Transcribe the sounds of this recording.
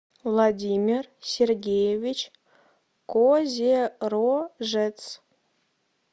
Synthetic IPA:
vlˠɑdʲimʲirsʲerɡʲejevʲit͡ɕ | kozʲeroʒɘt͡s

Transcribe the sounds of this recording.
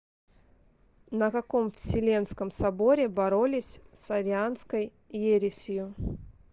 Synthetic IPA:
nəkɐkomfsʲɪlʲe̞nskəmsɐbo̞ɾʲɪbɐɾolʲɪsʲsɐɾʲɪanskəj | jeɾʲɪsʲjʊ

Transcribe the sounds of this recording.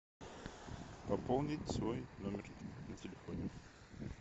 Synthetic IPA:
pɐpolˠnʲɪtʲsvojnomʲɪrnɐtʲɪlʲɪfɔnʲɪ

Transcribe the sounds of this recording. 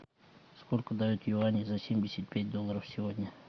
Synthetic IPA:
sko̞lʲkəd̪ajut̪jɪvanʲɪzasʲemʲdʲɪsʲət̪̚pʲæt̚ʲd̪o̞lˠːəɾəfsʲɪvo̞dʲnʲə

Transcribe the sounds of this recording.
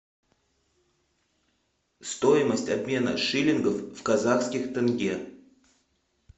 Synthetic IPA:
st̪ojɪməsʲtʲɐbmʲe̞nə̰ʂɨlʲɪnɡəfvkɐzaxskʲɪxt̪ɨnɡʲe

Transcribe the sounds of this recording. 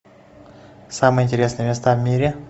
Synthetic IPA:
samɨjəɪnʲtʲɪɾʲe̞snɨjəmʲɪst̪avmʲiɾʲɪ

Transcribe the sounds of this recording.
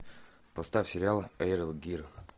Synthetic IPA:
pɐst̪afʲsʲɪɾʲɪalˠaɾəlˠɡʲir

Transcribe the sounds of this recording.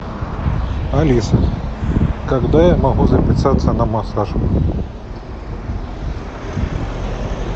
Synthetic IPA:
ɐlʲisɐ | kɐɡd̪ajamɐɣuzɐpʲɪsat̪sːɐnɐmɐsaʐ

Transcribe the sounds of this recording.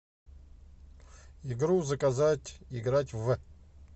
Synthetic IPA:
iɡɾuzɐkʼazatʲiɡratʲvɨ

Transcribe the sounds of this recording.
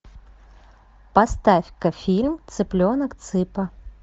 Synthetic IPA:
past̪afʲkɐfʲilʲmt̪sɨplʲonɐkt̪sɨpɐ

